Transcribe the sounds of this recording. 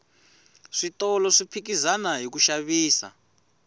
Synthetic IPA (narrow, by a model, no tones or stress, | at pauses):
ʂitɔlɔʂipʰikizanaɦik̬uʃaβiːsa̰